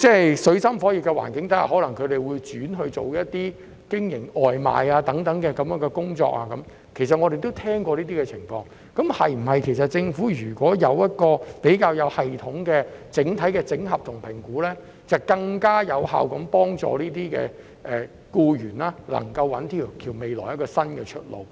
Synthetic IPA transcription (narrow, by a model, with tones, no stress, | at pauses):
t͡sɛː˥˩jsɵ˨˧ɥsɐ˥mfɔː˨˥ji˨kːɛ˧wa̰ː˨˩nkɪ˨˥ŋt̪ɐ˥˨˩hɔː˨˥lɐ˨˩ŋkʰɵ˨˧ɥɾe˨jwuː˨˧jt͡ʃyː˨˥nɦɵ˧ɥt͡ʃo˨wjɐ˥tt̪iː˥ | kɪ˥ŋjɪ˨˩ŋɔː˨jma̰ː˨˧jaː˧t̪ɐ˨˥ŋt̪ɐ˨˥ŋkɛː˧kɐ˨˥mjœː˨˥ŋkɛ˧kʊ˥ŋt͡sɔ̰ː˧k̚aː˧kɐ˨˦m | kʰe˨˩js̬ɐ˨t̚ŋɔː˨˧ɾe˨jt̪o˥wt̪ʰɛː˥ŋkɔː˧liː˥t̪iː˥kɛ˧t͡sʰɪ˨˩ŋfɔ̰ː˧ŋ | kɐ˨˥mhɐ˨jm̩˨˩ɦɐ˨jkʰe˨˩js̬ɐ˨t̚t͡sɪ˧ŋfuː˨˥jyː˨˩kʷɔː˨˥jɐ˨˧wjɐ˥t̚kɔː˧pe˨˥jkaː˧wjɐ˨˧whɐ˨jt̪ʰʊ˨˥ŋkɛː˧t͡sɪ˨˥ŋt̪ʰɐ˨˥jkɛː˧t͡sɪ˨˥ŋɦɐ˨p̚t̪ʰʊ˨˩ŋpʰɪ˨˩ŋkuː˨˥lɛː˥ | t͡sɐ˨˩wkɐ˧ŋkaː˥jɐ˨˧wha̰ː˨wkɐ˨˥mpɔː˥ŋt͡sɔ̰ː˨˧liː˥t̪iː˥kɛ̰ː˧ | ʔɛː˨ | kuː˧jyː˨˩naː˥lɐ̰˨˩ŋkɐ˧wːɐ˨˥nt̪ʰiː˨˩k̪ʰiː˨˩wme˨˧jlɔ̰ː˨˩jɐ˥tkɔː˧sɐ˥nkɛ˧t͡ʃʰɵ˥t̚lo̰˨w